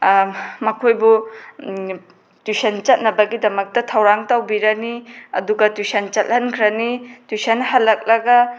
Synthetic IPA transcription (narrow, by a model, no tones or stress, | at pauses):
mɐkʰojbu | tisent͡ʃɐt̚nɐbɐɡidɐmɐk̚tɐtʰɐwɾaŋtawbiɾɐniɐ̰duɡɐtwisɐnt͡ʃɐt̚hɐnkʰɾɐnitwisɐnhɐlːɐk̚lɐɡɐ